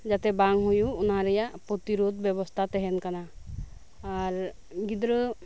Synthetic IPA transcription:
d͡ʒat̪ɛbaŋɦujuːnaɾɛjaʔpɔt̪iɾod̪̚bjɛβɔst̪ʰat̪ɛɦɛnkana | aɾ | ɡid̪ɾɔ

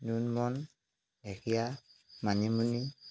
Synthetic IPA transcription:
nunmɔn | dɛkʰijamaɲimuni

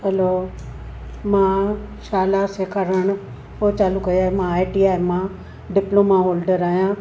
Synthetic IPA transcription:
ɐlo | mãː | ʃaːlaseːkʰəɾəɽ̃ʊ | pot͡ɕaːlukɐiaːɦemãːɪʈiːaːmã | ɖɪploːmaɦoːlɖəɾaːɦijãː

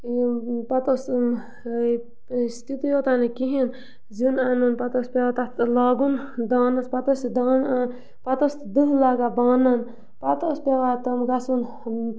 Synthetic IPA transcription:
pɐt̪ɐs | st̪ʰit̪ijot̪anekiɦin | zinanunpɐt̪ɐspʲeʋat̪alaːɡun | d̪aːnɐspɐt̪ɐsd̪aːn | pɐt̪ɐs | d̪ɨɦlaːɡabaːnɐn | pɐt̪ospeʋat̪ɐmɡɐsun

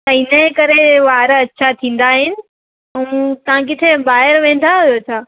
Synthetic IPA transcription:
t̪ɐɦɪnəkɐɾeʋaːɾɐtːʃʰat̪ʰĩːn̆d̪aɦɪnɪ̆ | ɐũt̪ɐãkɪt̪ʰebaːɦɪɾʋẽːn̆d̪aɦʊjot̪ʰaː

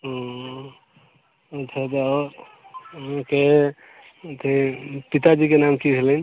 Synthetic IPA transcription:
ɦɔ̃ | ətt͡ʃʰat̪eɔɾ | ke | t̪ʰẽpit̪ad͡ʒikenamkiɡʱelən

